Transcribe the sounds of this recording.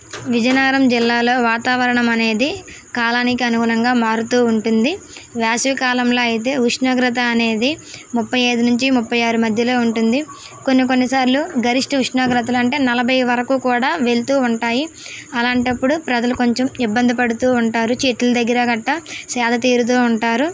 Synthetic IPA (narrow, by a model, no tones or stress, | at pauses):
ʋid͡ʒɐnaːɾɐmd͡ʒilːaːlo̞ːʋaːt̪aːʋɐɾɐɳɐmɐne̞ːd̪i | kaːlaːnikiɐnuɡuːɾɐŋɡaːmaːɾut̪uːuɳʈund̪iʋjaːsʋikaːlɐmlo̞ːɐjit̪̬e̞ːɦuʂnɐːɡɾɐt̪̬ɐːne̞ːd̪imupːɐjɐjd̪unuɲt͡ʃimupːɐjaːɾumɐd̪ʱjɐlo̞ːuɳʈund̪i | konːik̬o̞nːisaːɾluɡɐɾiʂʈɐuʂɳɐːɡɾɐt̪̬ɐluɐɳʈe̞ːnɐlɐbʱɐjʋɐɾɐkuːkuːɽaːʋe̞lut̪uːuɳʈaːjiɐlaːɳʈɐpːuɽupɾɐd͡ʒɐluko̞ɲt͡ʃɐmibːɐnd̪ʱipɐɽut̪uːuɳʈaːɾut͡ʃeʈlɐd̪ɐɡːɐɾɐɡɐʈːɐsɛːd̪ʱɐt̪iːɾut̪̬oːuɳʈaːɾu